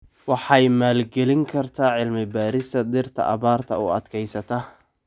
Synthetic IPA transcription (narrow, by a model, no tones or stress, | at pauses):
wɑħɑjmaːlɡɛlɪŋkʰɐrt̪ʰaːʕɪlmɪbaːɾɪst̪ʰɐd̪ɪrt̪ʰɐ̰ʔɐβaːrt̪ʰɐ̰ʊɐd̪kʰɛjsɐt̪ʰɐ